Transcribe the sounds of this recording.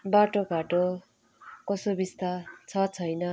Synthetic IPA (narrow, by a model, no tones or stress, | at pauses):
baʈoɡʱaʈo | kʌsobist̪at͡sʰʌt͡sʰʌjnʌ